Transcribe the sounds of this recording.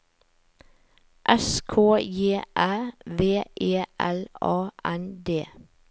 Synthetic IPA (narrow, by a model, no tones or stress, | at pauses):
ʔɛskʰoːjeːʔæːʋeːʔeːʔælɑːʔænd̪eː